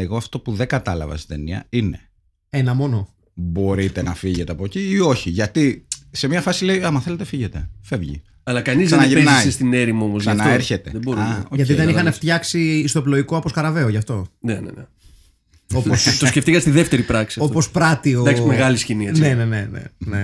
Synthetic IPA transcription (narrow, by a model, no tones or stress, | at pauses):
eɣoɐft̪o̞puðe̞ŋɡɐt̪ɐlɐ̰vɐ̰st̪i̥t̪e̞niɐ̰ine̞ | enɐmo̞no̞ | bo̞ɾit̪e̞nɐfiʝe̞t̪eɐpo̞ciːo̞çiʝɐt̪isemɲɐfɐsile̞iɐmɐθe̞le̞t̪efiʝet̪e̞fe̞vʝḭ | ɐlɐkɐnizsɐenɐʝeenɐest̪ineɾimo̞mossɐnɐoeɾçe̞t̪e̞ðeboɾuoʝɐt̪iðeixɐneft̪çɐksiːst̪o̞ploikoɐposkɐɾɐve̞oʝɐft̪o̞nenḛne | o̞post̪oskceft̪ikɐst̪iðeft̪eɾipɾɐksiɐo̞po̞spɾɐt̪ioɐksmeɣɐlisciniɐne̞ne̞ne̞nḛne